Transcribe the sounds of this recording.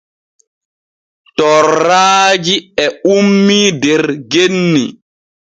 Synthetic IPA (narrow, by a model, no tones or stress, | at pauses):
tɔɾːaːd͡ʒiɛumːidɛɾɡenːi